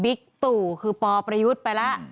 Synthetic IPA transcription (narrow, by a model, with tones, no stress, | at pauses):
bi˦˥k̚t̪uː˨˩kʰɯː˧pɔː˧pɾa˧ju˦˥t̪̚pa˧jla˦˥ʔ